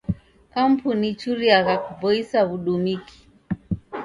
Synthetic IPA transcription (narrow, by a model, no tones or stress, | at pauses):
kam̩punit͡ʃuɾiaɣakupɔisaβuɗumiki̥